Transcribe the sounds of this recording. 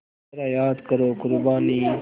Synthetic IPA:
ɾaːjaːd̪kəɾoːkʊɾbaːniː

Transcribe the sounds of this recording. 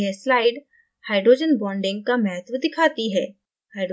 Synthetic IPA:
ɦɛslaːɪɖ | haːɪɖɾoːd͡ʒənbɔ̃ːɳɖɪ̃ŋɡ̚kamɛɦt̪ʰʋd̪ɪkʰaːt̪iɦɛː | haːɪɖɾ

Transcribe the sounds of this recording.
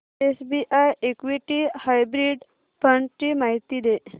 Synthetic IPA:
esbiʔajekʋiʈihajbɾiɖ | pəɳʈimaɦit̪id̪e

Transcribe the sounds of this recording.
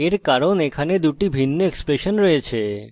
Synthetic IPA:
eɾkaɾonekʰaned̪uʈibʱinːoekspɾeʃonɾojet͡ɕʰe

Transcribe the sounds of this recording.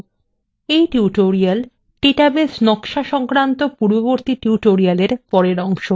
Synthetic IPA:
ejʈiuʈoɾial | ʈeʈabesnɔkʃaʃɔŋkɾant̪opuɾboβoɾt̪iʈiuʈoɾialeɾpɔɾeɾɔŋʃo

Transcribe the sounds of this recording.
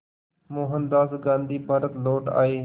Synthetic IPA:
moːɦənd̪aːzɡãːnd̪ʱiːbʱaːɾət̪loːʈa̰ːɦeː

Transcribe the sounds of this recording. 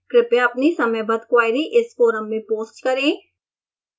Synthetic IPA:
kɾɪpeɐpnisɐməjbɐd̪kwaːɪɾiʔɪsfoːɾəmːẽpoːsʈkɐɾẽː

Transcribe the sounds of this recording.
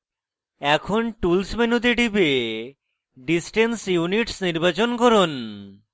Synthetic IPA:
ɛkʰonʈulsmenud̪eɖibe | ɖisʈensjuniʈsniɾbat͡ɕonkɔɾon

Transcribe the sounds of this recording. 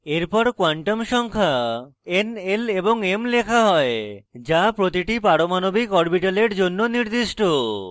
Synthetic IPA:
eɾpɔɾkwaɳʈomʃɔŋkʰaeneleboŋemlekʰaɦɔed͡ʑapɾot̪iʈipaɾomanobikɔɾbiʈaleɾd͡ʑonːoniɾd̪iʃʈo

